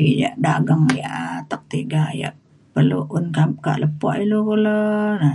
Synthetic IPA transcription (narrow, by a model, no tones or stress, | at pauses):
ija̰ʔdaɡəŋja̰ʔt̪ək̚t̪iɡaja̰ʔ | pərlṵʔunkaka̰ʔləpɔ̰ʔilukulɔna